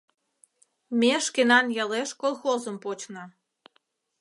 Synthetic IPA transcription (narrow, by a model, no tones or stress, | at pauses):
mʲeʃkenɑnjɑleʃkolˠxozəmpot͡ɕnə̆